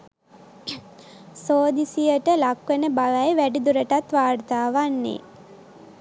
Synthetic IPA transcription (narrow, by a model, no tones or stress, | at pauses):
soːd̪isijəʈəlakʋenəbalajʋæɖid̪uɾəʈat̪ʋaːɾt̪aːʋanːḛ